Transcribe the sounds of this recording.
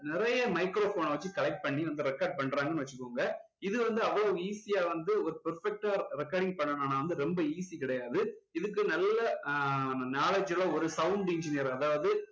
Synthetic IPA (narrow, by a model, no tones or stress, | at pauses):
nɪɾɐjɐmɐɪkɾoːfoːnʋɐt͡ʃːɯkɐlɐɪk̚ʈ̚pɐɳːiʋɐnd̪ɯɾɛkːɐːɾɖ̚pɐɳːɾaːŋɡɐnɯʋɐt͡ʃːɯkːoːŋɡɐ | ɪðɯʋɐnd̪ɯɐʋɐɭoiːsɪjaːʋɐnd̪ɯɔɾɯpɐɾfɛk̚ʈaːɾɛkːaːɾɖɪŋɡ̚pɐɳːɐnaːnaːʋɐnd̪ɯɾɛmbɐiːsikɪɽɐjaːðɯɪðɯk̬ːɯnɐlːɐ | naːlɐd͡ʒɪlɐɔɾɯsɐʊɳɖɪɲd͡ʒɪnɪjɐɾɐðaːʋɐðɯ